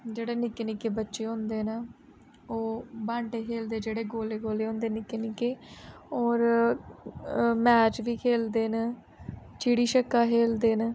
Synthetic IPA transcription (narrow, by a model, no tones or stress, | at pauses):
d͡ʒeːɽeːnɪkeːnɪkeːbətːʃeːɦõːnd̪eːnə | oːbãːɳʈeːkʰeːld̪eːd͡ʒeːɽeːɡoːleːɡoːleːɦõːnd̪eːnɪkeːnɪkeːɔːɾ | mɛːt͡ʃʋiːkʰeːld̪eːnə | t͡ʃiːɽiːʃəkːaːkʰeːld̪eːn